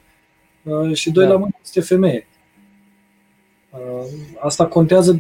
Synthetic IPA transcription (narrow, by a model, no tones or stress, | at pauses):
əʃid̪o̞jlamɨnest̪efe̞me̞je | ast̪ako̞nt̪eazəd